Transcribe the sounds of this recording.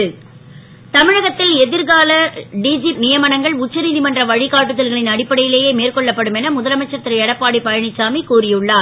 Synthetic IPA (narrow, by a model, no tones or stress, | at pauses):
ɯ | t̪ɐmɪɻɐɣɐt̪ːɪlɛðɪɾɣaːlɐɖiːd͡ʒinɪjɐmɐnɐŋɡɐɭʊt͡ʃːɐɾiːðimɐndrɐʋɐɻɪɣaːʈːɯðɐlɣɐɭɪnɐɽɪpːɐɽɐjɪleːjeːmeːrkɔɭːɐpːɐɽɯmɛnɐmʊðɐlɐmɐt͡ʃːɐɾt̪ːɪɾɐɛɽɐpːaːɽipɐjɐɳɪt͡ʃːaːmikuːrɪjɯɭːaːɾ